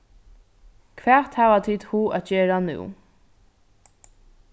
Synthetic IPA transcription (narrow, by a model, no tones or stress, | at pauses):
kʰʋæːt̪hæːʋat̪ʰid̪huːʔæt̪̚jeːɾanʉ̰ː